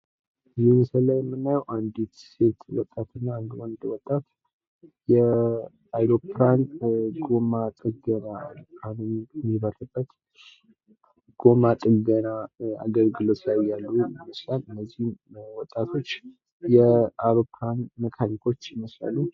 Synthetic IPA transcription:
ɨziməsalːajɛmːɨnːajɛwʔand̪it̪se̞t̪wɔt̪ʼːat̪ɨnːaːnd̪wɔnd̪wɔt̪ʼːat̪ | jɛ | ajɾopʰɾanɡomat̪ʼɨɡənaanɨnɛmːiβəɾɨbːət̪ | ɡ̥o̞mat̪ʼɨɡənaa̰ɡəlɡɨlo̞t̪ʰlajjalːujɪməslalɨnːəzːihmwɔt̪ʼːat̪ʰo̞t͡ʃː | jɛawɾopʰɾanməkʰaɾik̪ʰo̞t͡ʃːjɪməsla̰lu

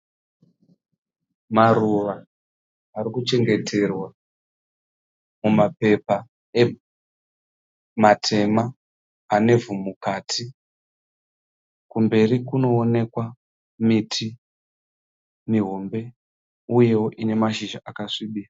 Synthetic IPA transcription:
maruʋaː | ɾikut͡ʃe̞ŋɡe̞tʰe̞rwa | mumape̞pa | e | matʰe̞maː | ne̞vumukaːtʰi | kumbe̞rikuno̞ːne̞kwa | mitʰi | miɦo̞mbe̞ | uje̞oʔine̞maʃiʒaʔakaʂiːɓisa

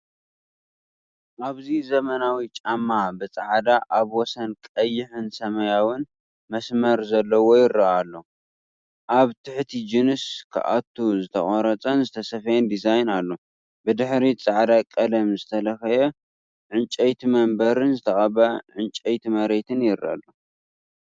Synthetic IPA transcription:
ʔaβzizɐmɐnawit͡ʃʼamːabɨt͡sʼaʕd̪aʔaβwɔsɐnkʼɐjːɪħɨnsɐmɐjawɨn | mɐsmɐɾzɐlːɐwojɪɾɐʔalːo̞ | ʔaβt̪ʰɨħt̪ʰid͡ʒinɨskʰɨ̰ʔa̰t̪ʰːuzɨt̪ʰɐχʼɐɾɐt͡sʼɐnzɨt̪ʰɐsɐfɐjnd̪izajnalːo | bɨd̪ɨħɾit͡sʼaʕd̪akʼɐlɐmzɨt̪ʰɐlɐxɐjɛ | ʕɨnt͡ʃʼɛjt̪ʰimɐmbɐɾɨnzɨt̪ʰɐχʼɐβɐʕɨnt͡ʃʼɐjt̪imɐɾet̪ʰɨnjɪɾːa̰lːo

